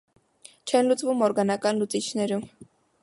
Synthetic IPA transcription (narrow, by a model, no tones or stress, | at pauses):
t͡ʃʰɛnlut͡svumɔɾɡɑnɑkɑnlut͡sit͡ʃʰnɛɾum